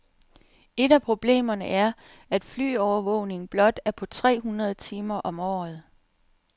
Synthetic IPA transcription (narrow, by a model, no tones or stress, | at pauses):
e̝ɾæpʰʁo̝b̥le̝̰ːmɐnəʔæɐ | æd̥fly̰ːɒʊɐʋɔʊne̝ŋb̥lɒ̽d̥æɐpʰɒ̽t͡sʰʁɛ̰ːɦunʁɐðˠt͡sʰiːmɐʔɒ̽mɒ̰ːð̞̩ˠ